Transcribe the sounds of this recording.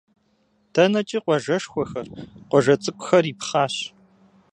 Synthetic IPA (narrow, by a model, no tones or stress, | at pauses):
tʰɐnɐt͡ʃʼiqʷɔʒɐʂxʷɔxɐrqʷɔʒɐt͡sʼɨkʷʼʊxɐriːpχaːɕ